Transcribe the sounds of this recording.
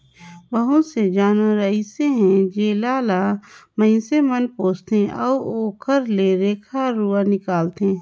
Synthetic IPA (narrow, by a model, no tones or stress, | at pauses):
ʋəɦõsed͡ʒaːnɾəiseɦɛ̃d͡ʒeːlaːlamə̃ɪ̃semənpoːt͡ʃt̪eʔɔːoːkʰəɾleɾeːkʰaɾuːanɪkaːlt̪ẽ